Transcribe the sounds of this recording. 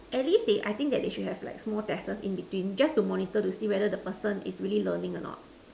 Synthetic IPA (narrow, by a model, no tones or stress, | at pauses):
ʔɛt̚lisdeʔa̰jt̪ɪ̃ŋ̚kdɛt̚deʃut̚hɦɛvla̰ɪksmɔltɛsəsḭ̃nbitwĩnd͡ʒastumɔnitətusiːwɛdədəpəsə̃nḭsɹililənɪ̃ŋɔnɔ̰t̚